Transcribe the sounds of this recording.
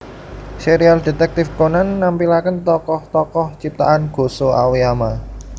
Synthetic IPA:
seɾiald̥e̤t̪ɛk̚t̪ɪfkonanːampilakənt̪ɔkɔht̪ɔkɔht͡ʃip̚t̪a̰ʔanɡ̥o̤soa̰wiama

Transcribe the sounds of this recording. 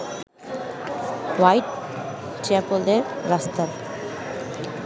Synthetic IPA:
wajʈ̚ | t͡ɕɛpold̪eɾːast̪aɾ

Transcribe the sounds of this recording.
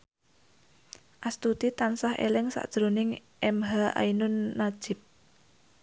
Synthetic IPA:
ʔast̪ut̪it̪ansahʔḛlɪŋsa̰ʔd̥ʒ̥ɾonɪŋʔɛmɦaʔa̰inʊnːḁʒ̥ɪ̤p̚

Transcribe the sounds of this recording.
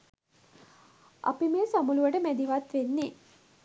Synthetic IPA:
ʔa̰pimeːsamuluʋəʈəmæd̪iʋat̪ʋenːi

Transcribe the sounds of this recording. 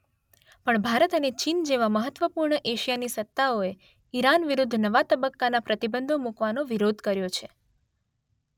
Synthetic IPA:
pəɳbʱaɾət̪ənet͡ʃind͡ʒeʋaməɦət̪ʋəpuɾɳəʔeʃijanisət̪ːaoe | iɾanʋiɾud̪ʱnəʋat̪əbəkːanapɾət̪ibənd̪ʱomukʋanoʋiɾod̪ʱkəɾjot͡ʃʰe

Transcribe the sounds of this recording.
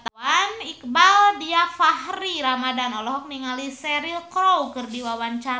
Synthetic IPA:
t̪awanik̚baldiafahriɾamadanɔlɔɦɔk̚niŋalisɛɾilkɾowkɨrdiwawaɲt͡ʃa

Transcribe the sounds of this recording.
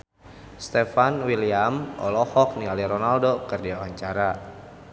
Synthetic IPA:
st̪ɛfanwiliamɔ̰lɔhɔk̚nialiɾɔnaldokɨrdiawaɲt͡ʃaɾa

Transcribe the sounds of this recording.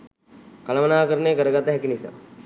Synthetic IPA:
kɐlɐmənaːkəɾəneːkəɾəɡat̪ːəɦɛkinisa̰

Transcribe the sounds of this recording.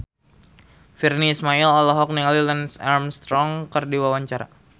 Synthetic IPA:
firniːsmailɔlɔɦɔk̚nililənsɛrmst̪ɾɔŋkərdiwawaɲt͡ʃaɾa̰

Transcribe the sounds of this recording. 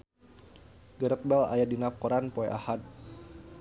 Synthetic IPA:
ɡəɾək̚bɛla̰jadinapkɔɾanpoɛʔahad̪̚

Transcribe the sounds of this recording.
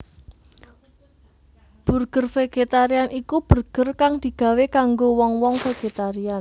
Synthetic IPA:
b̥ṳrɡ̥ə̤rfeɡ̥et̪aɾianʔikub̥ṳrɡ̥ərkaŋd̪̥i̤ɡ̥ä̤wekaŋɡowɔŋwɔŋfeɡ̥et̪aɾian

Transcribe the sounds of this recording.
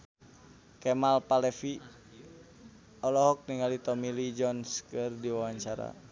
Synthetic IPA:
kɛmalpalɛfi | ɔlɔɦɔk̚niŋalit̪ɔmilid͡ʒɔnskɨrdiwawaɲt͡ʃaɾa̰

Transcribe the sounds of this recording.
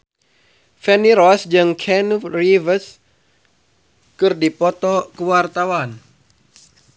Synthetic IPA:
fɛniɾɔsd͡ʒɨŋkʰɛnurivəs | kɨrdipɔt̪ɔkəwart̪awan

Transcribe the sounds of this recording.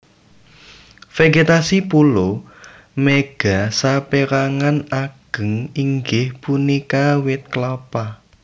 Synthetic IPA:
feɡet̪asipulo | meɡ̥a̤sapeɾaŋanaɡ̥ə̤ŋiŋɡɪhpunikawɪt̪̚klɔpa

